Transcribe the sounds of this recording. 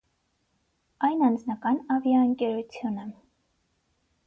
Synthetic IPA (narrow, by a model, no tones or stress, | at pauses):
ɑjnɑnd͡znɑkɑnɑvjɑəŋkʲɛɾut͡sʰjunə